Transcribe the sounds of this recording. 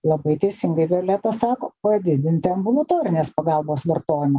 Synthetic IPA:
lˠɐbɐɪt̪ʲɛɪsʲɪŋɡɐɪbʲɛlʲæːt̪ɐsɑːkoːpɐd̪ʲɪd̪ʲɪnʲt̪ʲɪɐmbʊlˠʊt̪oːɾʲɪnʲeːspɐɡɑlˠboːsʋʲɐɾt̪oːjɪmɐ

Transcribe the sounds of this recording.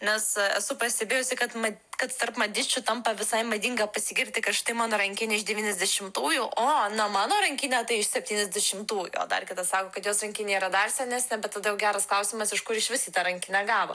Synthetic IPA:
nʲɛsɛsʊpɐsʲt̪ʲɛbʲeːjʊsʲɪkɐt̪mɐkɐt̪t̪ɐrpmɐd̪ʲɪt͡ʃʲʊt̪ɐmpɐʋʲɪsɐɪmɐd̪ʲiŋɡɐpɐsʲɪɡʲɪrʲt̪ʲɪkɐʃt̪ɐɪmɑːnoːɾɐŋʲkʲɪnʲɪɪʒd̪ʲɛʋʲiːnʲɛzʲd̪ʲɛʃʲɪmt̪uːjuʔoːnɐmɑːnoːɾɐŋʲkʲɪnʲɛt̪ɐɪɪʃsʲɛpʲt̪ʲiːnʲɛzʲd̪ʲɛʃʲɪmt̪uːjṵo̰ːd̪ɐ̰rkʲɪt̪ɐssɑːkoːkɐt̪joːsrɐŋʲkʲɪnʲeiːɾɐd̪ɐrsʲɛnʲæsʲnʲɛbʲɛt̪tːɐd̪ɐjɛʊɡʲæːɾɐsklˠɐʊsʲimɐsɪʃkʊɾɪʃʋʲɪsʲiːt̪ɐɾɐŋʲkʲɪnʲɛɡɑːʋo̰

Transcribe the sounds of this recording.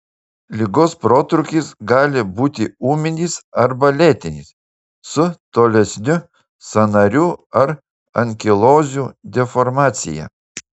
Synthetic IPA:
lʲɪɡoːspɾoːt̪ɾʊkʲiːˑsɡɑːlʲɪbuːt̪ʲɪuːmʲɪnʲisɐɾbɐlʲeːt̪ʲɪnʲis | sʊt̪oːlʲɛsʲnʲʊ | sɐnɐɾʲuːɐɾ | ɐŋʲkʲɪlˠoːzʲuːd̪ʲɛfɔɾmɑːt̪sʲɪ̰jɛ̰

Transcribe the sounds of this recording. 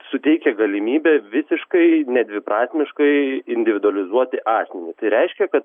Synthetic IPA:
sʊt̪ʲɛɪkʲɛɡɐlʲɪmʲiːbʲɛʋʲɪsʲɪʃkɐɪnʲɛd̪ʲʋʲɪpɾɑːsʲmʲɪʃkɐɪɪnʲd̪ʲɪʋʲɪd̪ʊɐlʲɪzuɔt̪ʲɪʔɑːsʲmʲɛnʲiːt̪ɐɪɾʲɛɪʃʲkʲɛkɐt̪

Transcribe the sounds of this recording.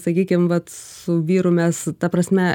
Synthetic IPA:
sɐkʲiːkʲɪmʋɐt̪sʊʋʲiːɾʊmʲɛst̪ɐpɾɐsʲmʲɛ

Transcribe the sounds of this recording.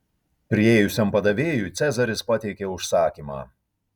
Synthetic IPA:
pʲɾʲɪeːjʊsʲɛmpɐd̪ɐʋʲeːjuːˑt̪sʲæzɐɾʲɪspɐt̪ʲɛɪkʲeːʊʃsɑːkʲiːmɑ̰ː

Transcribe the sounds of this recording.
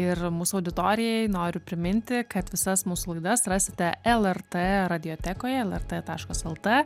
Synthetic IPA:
ɪrmuːsʊɐʊd̪ʲɪt̪oːɾʲɪjɛɪnoːɾʲʊpʲɾʲɪmʲɪnʲt̪ʲɪkɐt̪ʋʲɪsɐsmuːsulˠɐɪd̪ɐsɾɑːsʲɪt̪ʲɛɛlˠɛrt̪ɛːɾɐd̪ʲɪjoːt̪ʲæːkoːjɛɛlˠɛrt̪ɛt̪ɑːʃkɐsɛlˠt̪ɛ

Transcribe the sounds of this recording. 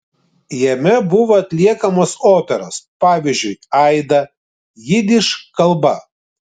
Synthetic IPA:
jɛmʲɛbʊʋoːɐt̪ʲlʲiɛkɐmoːsoːpʲɛɾo̰ːspɑːʋʲizʲd͡ʒʲʊɪɐɪd̪ɐ | jɪd̪ʲɪʃkɐlˠbɐ

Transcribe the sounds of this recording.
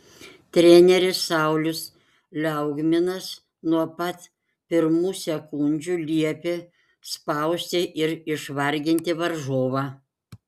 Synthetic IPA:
t̪ʲɾʲɛnʲɛɾʲɪsːɐˑʊlʲʊs | lʲɛʊɡmʲɪnɐs | nuɔpɐt̪ | pʲɪɾmuːsʲɛkʊnʲd͡ʒʲuːlʲiɛpʲɪ | spɐˑʊsʲt̪ʲɪʔɪɾɪʃʋɐɾʲɡʲɪnʲt̪ʲɪʋɐɾʒoːʋɑː

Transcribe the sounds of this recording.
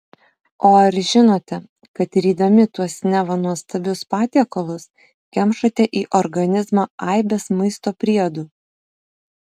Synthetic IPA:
oːɐɾʒʲɪnoːt̪ʲɛ | kɐt̪ɾʲiːd̪ɐmʲɪt̪uɔsnʲɛʋɐnuɔst̪ɐbʲʊspɑːt̪ʲiɛkolˠʊs | kʲɛmʃɐt̪ʲɛʔiːʔɔɾɡɐnʲɪzmɑːɐɪbʲeːsmɐɪst̪oːpʲɾʲid̪uː

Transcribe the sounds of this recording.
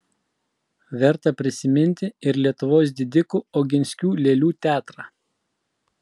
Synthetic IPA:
ʋʲɛɾt̪ɐpʲɾʲɪsʲɪmʲɪnʲt̪ʲɪɪɾlʲiɛt̪ʊʋoːs̬d̪ʲɪd̪ʲɪkuːɔːɡʲɪnʲsʲkʲuːlʲeːlʲuːt̪ʲæːt̪ɾɑː

